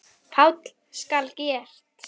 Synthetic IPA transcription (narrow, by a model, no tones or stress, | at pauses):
fawt̪l̥ | skalcɛːr̥t̪